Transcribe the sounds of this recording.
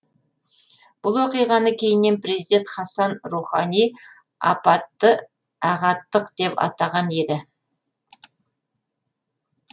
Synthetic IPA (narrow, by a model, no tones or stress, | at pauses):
b̥ʊlˠwoqijʁɑnəkʲʰe̞jɪnːe̞npɾe̞zid̪e̞nt̪χɑsɑnruχɑnij | ɑ̰pɑt̪ːə | ɑʁɑt̪ːəqd̪̥e̞pɑ̰t̪ɑʁɑne̞d̪ɪ